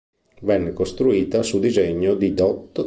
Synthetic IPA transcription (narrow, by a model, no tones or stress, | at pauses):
vɛnːekost̪ɾuiːt̪asud̪izeɲːod̪id̪ɔt̪ː